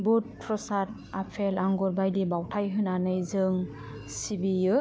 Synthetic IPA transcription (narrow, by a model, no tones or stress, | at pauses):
but̚pʰɾɔsaɾ | apʰelaŋɡuɾbajlibawtʰajɦɯnanɯjzɯŋ | sibijɯ